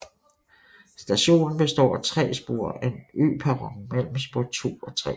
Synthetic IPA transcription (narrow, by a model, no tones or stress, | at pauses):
sd̥æɕo̝̰ːnn̩b̥e̝sd̥ɒ̰ːt͡sʰʁɛ̰ːsb̥o̝̰ːɐ̰enø̰ːpʰæʁɒŋmel̰m̩sb̥o̝ɐt͡sʰo̝̰ːɒ̽t͡sʰʁɛ̰ː